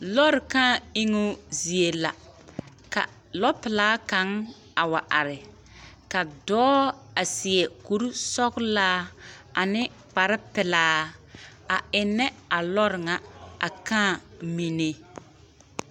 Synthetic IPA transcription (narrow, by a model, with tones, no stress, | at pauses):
lɔ˦ɾɪ˨kãː˦˨i˦ŋʊ˦zi˨e˨la̰˨ | ka̰˨ | lɔ˦pɪ˨laː˦ka˨˦ŋ | a˨wa˨ʔa˨ɾɪ˨ | ka˨dɔː˦a˨sɪ˨ɛ˨ku˦ɾu˦sɔ˦ɡlaː˦ | a˨nɪ˦ | k͡pa˨ɾɪ˦pɪ˨laː˦ | a˨ɪ˨nːɛ˦a˨lɔ˦ɾɪ˨ŋa˨a̰˨kãː˦˨mi˦ne˦